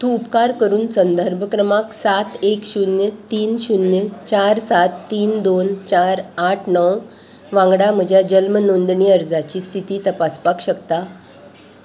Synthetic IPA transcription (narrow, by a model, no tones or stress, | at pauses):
t̪ũːupkaɾkəɾuːnsənd̪əɾbʱəkɾəmaksat̪ekɕunjət̪iːnɕunjət͡ɕaɾsat̪ːiːnd̪ont͡ɕaɾaʈʰnɔw | ʋãŋɡɽam̤əd͡ʑʱjad͡ʑəlmənond̪ɳiəɾd͡zat͡ɕiːst̪ʰit̪iːt̪əpaspakɕəkt̪a